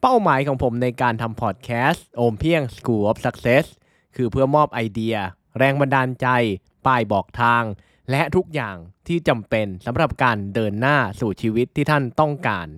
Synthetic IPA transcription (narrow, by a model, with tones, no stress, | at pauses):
pa˥˩wmaː˩˦jkʰɔː˩˦ŋpʰo˩˦mna˧jkaː˧nt̪ʰa˧mpʰɔː˨˩t̪̚kʰɛː˦˥stʔoː˧mpʰi˥˩əŋskuː˧ʔo˦˥p̚sa˦˥k̚seː˦˥s | kʰɯː˧pʰɯ˥˩ɐmɔː˥˩p̚ʔa˧jdi˧ɐ | ɾɛː˧ŋba˧ndaː˧nt͡ɕa˧j | paː˧˩jbɔː˨˩k̚t̪ʰaː˧ŋ | lɛ˦˥ʔt̪ʰu˦˥k̚jaː˨˩ŋt̪ʰiː˥˩t͡ɕa˧mpe˧nsa˩˦mɾa˨˩p̚kaː˧ndɤː˧nːaː˥˩suː˨˩t͡ɕʰiː˧wi˦˥t̪ʰːiː˥˩t̪ʰa˥˩nt̪ɔ˥˩ŋkaː˧n